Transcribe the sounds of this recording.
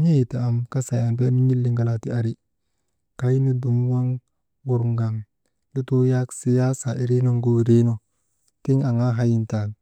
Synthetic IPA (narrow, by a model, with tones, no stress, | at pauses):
ɲe˦˨ta˨a˨mka˦sa˨ja˨mbe˦nu˦ɲi˦lːi˨ŋɡa˨la˨ti˦a˨ɾi˦ | ka˨ji˦ni˦du˨m˦wa˦ŋ | wu˨ɾŋɡa˨ŋ | du˦to˦ja˦ksi˨ja˦sa˨ʔi˨ɾe˦no˦ŋɡo˦˨ɾe˦no˦ | ti˦ŋa˨ŋa˦ɦa˦ji˨nta˨n